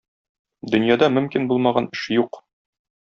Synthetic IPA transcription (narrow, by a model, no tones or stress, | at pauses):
d̪ɵ̆njɑd̪ɑmɵ̆mkinbulˠmɑʁɑnɘ̆ʃjuq